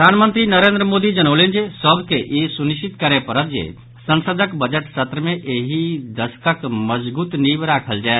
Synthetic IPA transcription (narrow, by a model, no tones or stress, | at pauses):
ɾd̪ʱaːnmənt̪ɾinəɾeːnd̪ɾəmoːd̪id͡ʒənəʊlend͡ʒesəbkeʔesuniʃt͡ʃit̪kəɾepəɾət̪̚d͡ʒḛ | sə̃nsəd̪ʱəkbəd͡ʒəʈsət̪ɾəmẽʔeːɦid̪əskəkməd͡ʒbuːt̪nibɾaːkʰəld͡ʒae